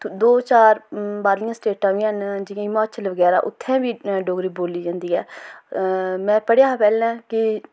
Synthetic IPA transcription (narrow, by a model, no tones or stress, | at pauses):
d̪oːt͡ʃaːɾbaːɾlɪjãːsʈeːʈãːʋĩːənd͡ʒɪjãːɪmaːt͡ʃəlʋəɡɛːɾaːʔʊt̪ʰːɛ̃ːbiːɖoːɡɾiːboːliːd͡ʒãːnd̪iːɦɛː | mɛ̃ːpəɽjaːpɛːlɛ̃ːkɪ